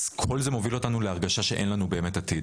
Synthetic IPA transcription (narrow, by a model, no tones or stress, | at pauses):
z̥kʰo̞lzemo̞vilo̞tanuleaʁɡaʃaʃe̞ʔe̞nlanube̞ːme̞tat̪id